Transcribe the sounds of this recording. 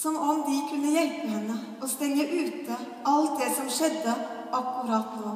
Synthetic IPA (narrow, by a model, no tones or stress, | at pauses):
sɔmɔmd̪ɪkʰʉnːəjɛlpəhɛnːə | ɔst̪ɛŋːəʔʉːt̪ə | ɑlt̪̚d̪ɛsɔmʂɛd̪ːə | ʔɑkːʊɾɑːt̪nuː